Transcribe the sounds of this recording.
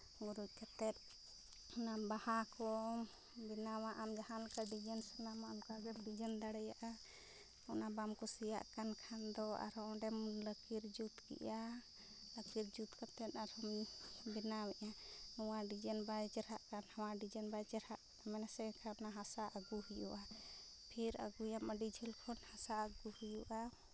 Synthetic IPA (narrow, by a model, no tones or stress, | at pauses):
ɡuɾuc̚ˀkat̪ɛt̪̚ | nabahakɔ | binawaʔamd͡ʒahankaɖid͡ʒənsanamaɔmkaɡɛmɖid͡ʒənd̪aɽɛjaʔa | ɔnabamkɔsija̰ʔkankʰand̪ɔa̰ɾɔɖɛmləkiɾd͡ʒut̪kḭʔa | ləkiɾd͡ʒut̪kat̪ɛt̪aɾhɔmbinawɛʔanuwaɖid͡ʒɛnbad͡ʒɛɾɦaʔkanhawaɖid͡ʒənbajd͡ʒɛɾhaʔ | amɛnasɛkʰanaɦasaʔəɡuhujṵʔa | pʰiɾə̰ɡujamaɖid͡ʒʱilkʰɔnhasaəɡuhujuʔa